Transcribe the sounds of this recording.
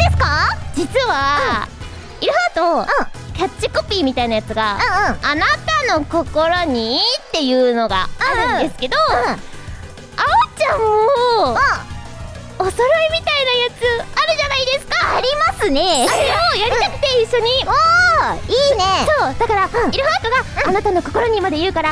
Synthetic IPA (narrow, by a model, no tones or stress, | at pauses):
d̪̥e̞sɨ̥kad͡ʑit͡sɨβa | iɾohat̪oɯ̃kʲat͡ɕːikopʲimʲit̪ainajat͡sɨɡaɯ̃ːnat̪ano̞ko̞ko̞ɾo̞ɲ̟it̪ːe̞jɯ̟ːno̞ɡa̰aɾɯ̟̃d̪e̞sɨ̥ke̞d̪o̞ | aot͡ɕao | oso̞ɾaimʲit̪ainajat͡sɨaɾɯ̟ʑanaid̪e̞sɨ̥kaaɾʲimasɨne̞aɾeojaɾʲit̪akɯ̟̥t̪e̞iɕːo̞ɲ̟io | iːnesod̪̥akaɾaiɾɯ̟ɦaːt̪o̞ɡaːnat̪ano̞ko̞ko̞ɾo̞ɲ̟imad̪e̞jɯ̟ːkaɾa